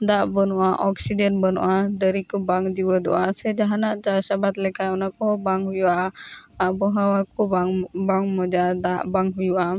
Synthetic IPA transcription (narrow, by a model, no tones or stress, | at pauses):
d̪aʔbənɔʔaʔɔksiɖɛnʈbənɔ̰ʔad̪əɾikɔbaŋd͡ʒibəd̪ɔ̰ʔasɛd͡ʒaɦanaʔd͡ʒaɾsabat̪lɛkajɔnakɔbaŋɦujuʔa | abɔɦawakɔbŋbaŋmɔd͡ʒad̪aʔbaŋɦujuʔa